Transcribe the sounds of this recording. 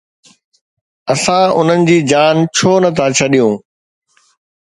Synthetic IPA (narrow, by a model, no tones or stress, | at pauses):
ɐsãʊn̤ənɪ̆d͡ʑiːd͡ʑaːnt͡ɕʰoːnɐt̪ʰãːt͡ɕʰɐɗijũː